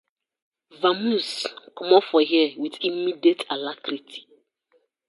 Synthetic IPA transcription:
vamuskɔmɔfɔɦiəwiðimidietalakɾitʰi̥

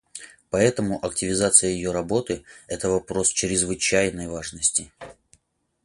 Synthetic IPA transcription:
pɐɛt̪əmʊʔɐk̚tʲɪvʲɪzat̪sɨjəjɪjo̞ɾɐbo̞t̪ɨɛt̪əvɐpɾo̞st͡ɕɾʲɪzvɨt͡ɕæjnəjvaʐnəsʲtʲɪ

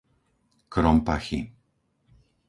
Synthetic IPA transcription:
kɾɔmpaxḭ

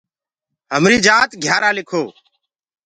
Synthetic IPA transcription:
ɦəmɾiːd͡ʒaːt̪ɡʱjaːɾaːlɪkʰoː

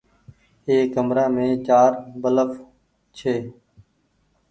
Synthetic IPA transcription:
eːkːəmɾaːmẽːt͡ʃaːɾbələf | t͡ʃʰeː

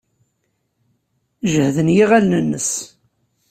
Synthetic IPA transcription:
ʒəhðənjiʁælnənːəs

